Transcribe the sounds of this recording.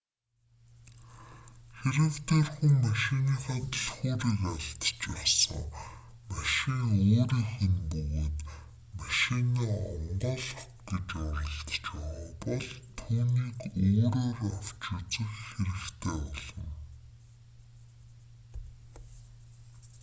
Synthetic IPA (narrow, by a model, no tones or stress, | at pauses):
xeɾɘ̆kt̪eːrxuŋmaʃiniːxɔːt̪ʰʊɮχuːɾiːkaɮt̪t͡ɕpæːsə̰̆ŋ | maʃiŋoːɾiːŋxenpɵɣeːt̪ | maʃiniːɔ̰ɴɢɔɮ̆ | ɡet͡ɕʊɾə̆ɬt̪t͡ɕpæwɔpɔɮt̪ʰuːniːkoːɾoːraw̥t͡ɕɪ̆t͡sə̆kxeɾɘ̆kt̪ʰeːɔɮ̥ɞ̆ŋ